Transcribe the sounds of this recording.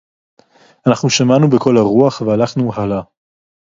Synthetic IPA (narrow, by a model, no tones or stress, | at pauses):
anaχnuʃamanubekʰo̞laʁuaχvealaχnuɦala